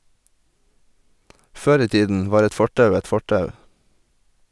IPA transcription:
ˈføːɾ ˈiː ˈtiːdn̩ ˈʋɑːɾ ˈɛt ˈfɔʈɑʉ ˈɛt ˈfɔʈɑʉ

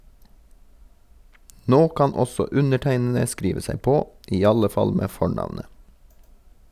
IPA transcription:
ˈnoː ˈkɑn ˈɔsɔ ˈʉnəˌʈæɪnn̩ə ˈskɾiːʋə ˈsæɪ ˈpoː ˈʔiː ˈɑlə ˈfɑl ˈmeː ˈfɔɳɑʋnə

